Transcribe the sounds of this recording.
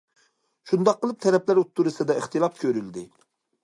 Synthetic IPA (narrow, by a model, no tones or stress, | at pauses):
ʃund̪ɑqːəlˠɨp̚t̪ʰɛɾɛplæɾut̪ʰːuɾɨsɨd̪ɛəχt̪ʰɨlˠɑpkʲʰøɾyld̪ɪ